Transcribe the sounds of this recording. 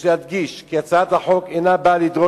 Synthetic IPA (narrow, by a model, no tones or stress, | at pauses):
lehad̪ɡiʃkiat͡saat̪haħo̞kejnabalid̪ʁo